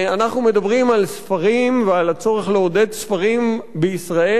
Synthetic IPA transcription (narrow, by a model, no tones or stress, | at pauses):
anaχnume̞d̪abʁimalsfaʁimvealat͡so̞ʁeχleod̪e̞dsfaʁimbeisʁae